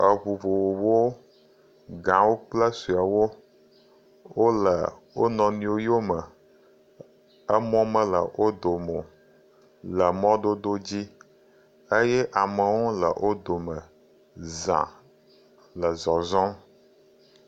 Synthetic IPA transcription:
ə˨βu˨vo˨wo˨wo˦ | ɡã˨wo˦k͡plə˦su˨a˨wo˦ | wo˦lə̰˨wo˦nɔ̃˨nĩ˨wo˦ji˦o˦mə˨ | ə˦mɔ̃˦mə̃˦lə˨wʔo˦d̪o˨mõ˨ | lə˨mɔ̃˦d̪o˦d̪o˦d͡ʑi˦ | ə˦jɛ˦ʔa˨mə˨wo˦lə̰˨wʔo˦d̪o˨mə̃˨ | zã̰˨ | lə˨zɔ˨zɔ̃˦

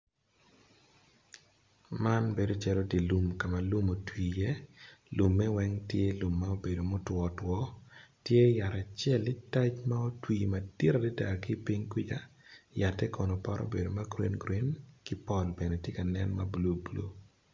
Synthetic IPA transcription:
ma˦nbe˨do˨t͡ʃɛ˦lo˦di˨lu˦mka˨ma˨lu˦mo˨twiː˨jɛ˦lu˨mːɛ˦wɛ˦ŋtje˦lu˨mːa˦o˦be˨do˨mo˦twɔ˨twɔ˦tje˦ja˨ɾa˨t͡ʃjɛ˦˨lɪ˦ta˦t͡ʃma˦o˦twiː˨ma˨di˦ɾa˨di˦da˨ki˦pi˦ŋkwi˦d͡ʒa˦ja˨tːɛ˦kɔ˨nɔ˨pa˦ɾʔɔ̰˦be˨do˨ma˦ɡɾi˦nɡɾi˦nkɪ˦pɔ˦lbe˨ne˨tje˦ka˨nɛ˦nma˦bu˨lo˦bu˨lo̰˦

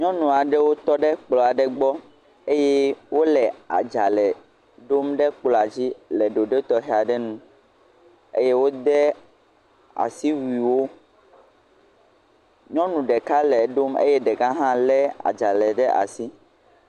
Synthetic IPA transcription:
ɲɔ̃˦nũ˨a˨ɖɛ˦wo˦t̪ɔ˦ɖɛ˦k͡plɔ˨a˨ɖɛ˦ɡ͡bɔ˦ | e˦jɛ˦wo˦lɛ˨a̰˨d͡ʒa˨lɛ˨ | ɖo˦mɖɛ˦k͡plɔ˨a˨d͡ʑi˦lɛ˨ɖo˨ɖe˦t̪ɔ˦ɦɛ˨a˨ɖɛ˦nũ˦˨ | ḛ˦je˦wo˦d̪ɛ˦ | a̰˨si˦wi˨wo˦ | ɲɔ̃˦nũ˨ɖɛ˨ka˦lɛ˨ɖo˦mḛ˦jɛ˦ɖɛ˨ɡã˦ɦã˦lɛ˦a̰˨d͡ʒa˨lɛ˨ɖɛ˦ʔa̰˨si˦

